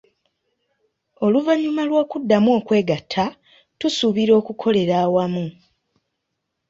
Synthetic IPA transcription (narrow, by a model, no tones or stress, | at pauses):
o̞luvaɲːumalwoːkudːamuo̞ːkwe̞ːɡatʰːa | tusuβiɾo̞ːkukʰo̞le̞ɾaːwamu